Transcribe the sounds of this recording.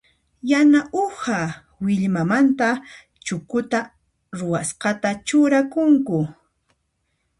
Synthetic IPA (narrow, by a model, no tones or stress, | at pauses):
janaʔʊha | wɪʎmamant̪a | t͡ʃʊkʊt̪a | ɾʊwasqɑt̪at͡ʃʊɾakʊŋkʊ